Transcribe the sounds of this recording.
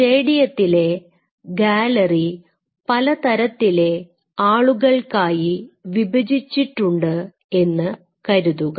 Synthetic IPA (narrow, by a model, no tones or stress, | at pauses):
ʂeːɽijɐt̪ːile̞ | ɡaːlɐri | pɐlɐt̪ɐɾɐt̪ːile̞ | aːɭuɣɐɭkaːjiʋibʱɐd͡ʑit͡ɕːiʈːuɳɖɨ | e̞nːɨ | kɐɾuðuɣɐ